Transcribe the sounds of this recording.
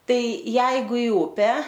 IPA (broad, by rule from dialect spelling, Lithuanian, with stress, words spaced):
ˈtɐɪ ˈjɛɪɡʊ ɪ ˈʊpʲæː